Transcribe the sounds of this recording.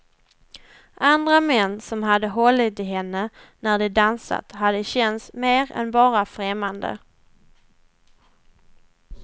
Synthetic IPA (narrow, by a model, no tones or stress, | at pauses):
ʔand̪ɾamɛnːsɔmɦad̪ːəɦɔlːɪt̪ɪɦɛnːənæɖɛd̪ansa̰t̪had̪ːəɕɛnsmeːɾɛ̰nbɑːɾafɾɛmːand̪ə̰